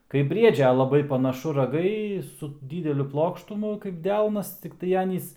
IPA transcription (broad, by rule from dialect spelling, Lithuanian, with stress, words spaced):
kɐɪp ˈbʲrʲiɛd͡ʒʲɛ lˠɐˈbɐɪ pɐnɐˈʃʊ rɐˈɡɐɪ sʊ ˈdʲiːdʲɛlʲʊ ˈplˠoːkʃtʊmʊ kɐɪp ˈdʲɛlˠnɐs tʲɪkˈtɐɪ ˈɑːnʲiːs